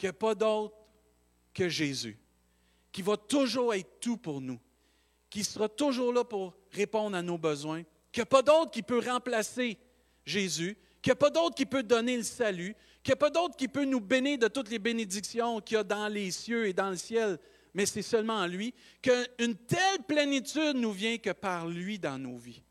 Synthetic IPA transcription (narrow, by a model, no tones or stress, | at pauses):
kʲjəpɔd̪ɔʊt̪χ | kʲəʒezy̰ | kʲivɐt̪ʊʒuːʁɛɪt̪̚t̪ːupuʁnu | kʲisəʁɑt̪ʊʒuːʁlʌpuʁ | ʁepɔ̃d̪ʁanobəzwɛ̃ | kʲəpɔd̪ɔʊt̪̚kʲipøʁɑ̃plase | ʒezy | kjɐpɔd̪ɔʊt̪̚kʲipød̪ɔneləsaly | kʲjapɔd̪ɔʊt̪̚kʲipønubenɪd̪ət̪ʊt̪lebened͡z̪iksjɔ̃kʲiɐd̪ɑ̃lesjøed̪ɑ̃ləsjɛl | mɛsɛsœlmɑ̃ːlɥikəynt̪ɛlplenit̪yd̪̚nuvjɛ̃kəpaʁlɥid̪ɑ̃noːvi